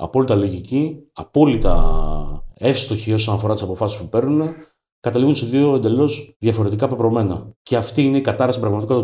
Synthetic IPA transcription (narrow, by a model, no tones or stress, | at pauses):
ɐ̰po̞lit̪ɐlo̞ʝiciɐpo̞lit̪ɐ̰ | e̞fst̪o̞çio̞sonɐfo̞ɾɐt̪isɐpo̞fɐsi̥spupe̞ɾnune̞ | kɐt̪ɐliɣunsiðio̞e̞nd̪e̞lo̞sðjɐfo̞ɾe̞t̪ikɐpepɾo̞me̞nɐce̞ɐft̪iineikɐt̪ɐɾɐsipɾɐɣmɐt̪iko̞t̪